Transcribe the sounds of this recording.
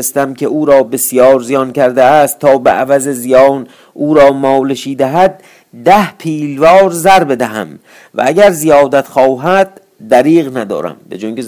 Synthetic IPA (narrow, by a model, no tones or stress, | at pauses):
est̪æmkʲʰe̞uːɾɒːbesjɒːɾzijɒːncʰæɾd̪eæst̪ʰːɒːbḛʔævæzezijɒːn | ʔuːɾɒːmɒːleʃiːd̪æɦæd̪̚ː | æhpʰiːlvɒːɾzæɾbe̞d̪æɦæ̰m | væ̰æɟæɾzijɒːd̪æt̪xɒːɦæd̪̥̚ː | æɾiːɣnæd̪ɒ̰ːɾæ̰mbḛd͡ʒoŋɟe